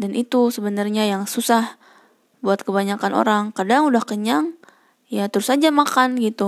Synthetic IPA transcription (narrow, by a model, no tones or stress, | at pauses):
danʔit̪usəbənarɲajaŋsusah | buat̪̚kəbaɲakano̰ɾaŋkadaŋudahkəɲaŋ | jat̪əɾusad͡ʒamakanɡit̪u